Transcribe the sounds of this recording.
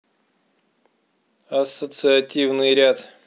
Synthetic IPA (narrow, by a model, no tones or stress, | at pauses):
ɐsːət̪sɨɐtʲivnɨjɾʲat̪